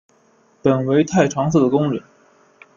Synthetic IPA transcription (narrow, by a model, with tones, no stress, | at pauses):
pə˨˩nwe˧˥ɪt̪ʰa˥˩ɪʈ͡ʂʰwɑ˧˥ŋs̬̩˥˩d̪ə˩kʊ˥ŋɻə˨˧˩n